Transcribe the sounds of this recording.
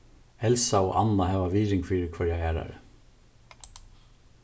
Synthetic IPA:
hɛlsaɔːʔanːahɛːʋaʋiːɾɪŋfiːɾɪkʰvœɾjahæːɾa̰ɾə̰

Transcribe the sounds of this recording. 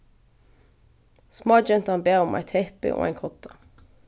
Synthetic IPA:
smɑːd͡ʒɛnt̪ɑnbeːʁʊmʔæ̰ɪt̪hɛpɪ̰ʔo̰ːʔæ̰ɪŋkʰɔt̪ʰɑ

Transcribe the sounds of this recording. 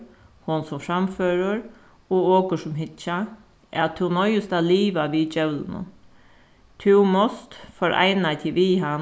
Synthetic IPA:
hʊnsɔmfɾɑmføːɾəɾ | ɔoːkəʂɔmɦɪt̪t͡ʃa | ɛ̰t̪ʰːʉnɔʏəst̪ɑːliːʋaʋiːd͡ʒœʉlənə̰ | t̪ʰʉːmɔst̪fɔɾʔæ̰ɪnat̪ʰɪʋiːɦɑn

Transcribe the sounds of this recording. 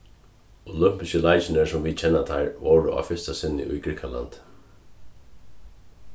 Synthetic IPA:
ʊlʏm̥pɪskəlajt͡ʃɪnɪsɔmvit͡ʃʰɛnːat̪ʰaɹʋowɹʊʔa̰fɪst̪asɪnːɪ̰ʔʊ̰jɡɾikʰala̰nd̪̥

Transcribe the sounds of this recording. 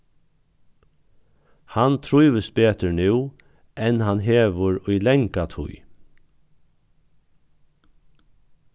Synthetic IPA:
hant̪ʰɹuːʋəst̪̚beːt̪ənʉː | ɛnhanɦeːʋəɹʏːlɛŋkat̪ʰʊ̰ʏ

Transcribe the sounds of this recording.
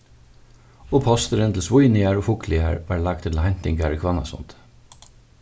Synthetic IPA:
oːpʰɔst̪əɾənt̪ʰl̩sʋʊjnɪæɹoːfʊkʰlɪæ̰ɹʋɑːɹlɑɡ̚t̪ʰɪt̪l̩hɛnt̪ɪŋɡaɹikʰʋɑnɑ̰sɔ̰nt̪

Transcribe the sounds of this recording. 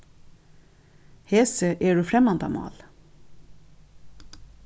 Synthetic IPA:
hɛːsəʔeːɖʉːfɾɛmɑnd̪ɑ̰mɑ̰ːl

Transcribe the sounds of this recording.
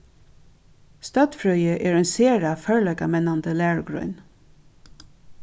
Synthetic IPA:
st̪ɑːt̪fɹœʏəʔeːɹeːnseːɹɑfœɹɭɛɡɑmɛnand̪əlæːɹɡɹœ̰ʏn

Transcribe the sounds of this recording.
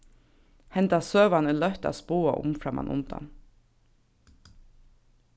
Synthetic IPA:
hɛnt̪ɑsøːʋɑnəlœht̪a̰ːspuːaʔʊ̰mfɾɑmɑ̰nʔʊ̰nd̪̥ɑ̰n

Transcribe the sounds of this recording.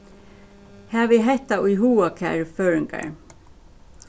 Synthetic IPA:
hɛːʋɪɦɛht̪aʊjɦuːakʰa̰ːɹføːɹɪŋka̰ɹ

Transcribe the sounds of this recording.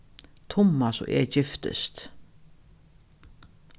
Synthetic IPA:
t̪ʰʊmːasɔ̰ʔɛ̰ːd͡ʒɪft̪ə̰st̪

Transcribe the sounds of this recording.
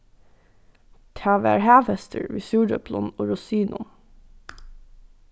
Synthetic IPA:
t̪ʰɑːʋæ̰ːɹhæːʋɛst̪ʰə̰ɹʋḭːsuːɖœpʰlɔnoːɹʊsiːnʔʊm

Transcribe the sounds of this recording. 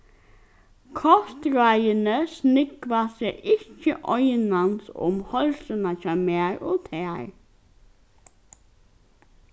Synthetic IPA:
kʰɔst̪ɾæɪənəsnɪkʋaseʔɪçəʔɔʏnɑnsʊ̰mhɔlsənɑçɑmeːɹʔoːt̪ʰeːɹ

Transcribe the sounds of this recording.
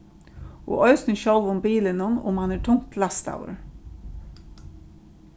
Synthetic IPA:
o̰ːʔœʏsnəʃɔlʋʊmbiːlənʊnʊ̰mɑneːʈʰʊŋt̪ʰlɑst̪ɑ̰ʊə̰ɹ

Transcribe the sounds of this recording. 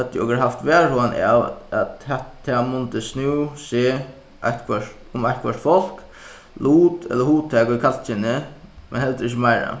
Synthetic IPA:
hɛt̪ːjɪɔkəɾɦaft̪ʋɛːɹhoːana̰ʋæt̪hɛt̪ʰːɛmʊnt̪ɪsnuwseː | ʔa̰jht̪kʰʋœʂt̪ʊmajht̪̚kʰʋœʂt̪fɔl̥k | luːt̪ɛ̰ləhuːt̪ʰɛːkikʰalt͡ʃɪnɪmɛ̰nhɛlt̪ɾɪçːɪmaɪɹa̰

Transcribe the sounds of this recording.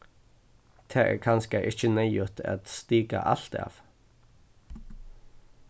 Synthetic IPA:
t̪ʰæːɛ̰kʰɑnskɑʔɪçənæɪʊt̪ʰa̰t̪st̪iːɡa̰ʔɑlt̪ɑ̰ːʋ

